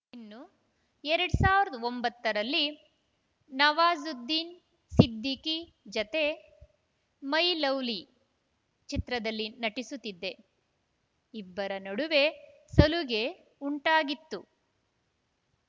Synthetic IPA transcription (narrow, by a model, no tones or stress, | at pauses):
inːu | ɛɾɐɽusaːʋiɾɐd̪ɐombɐt̪ːɐɾɐlːi | nɐʋaːzud̪ːiːn | sid̪ːiki | d͡ʒɐt̪e | mɐjlɐwli | t͡ʃit̪ɾɐd̪ɐlːinɐʈisut̪ːid̪ːe̞ | ibːɐɾɐnɐɽuʋe̞sɐluɡe̞ | uɳʈaːɡit̪ːu